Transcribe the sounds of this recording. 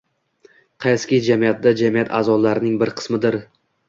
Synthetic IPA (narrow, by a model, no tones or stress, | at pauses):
qʰɑjskʲɪd͡ʒamijat̪̚d̪ad͡ʒamijat̪ʰazɒlaɾɪnɪŋbɪɾqʰɨ̥smɪd̪ɪɾ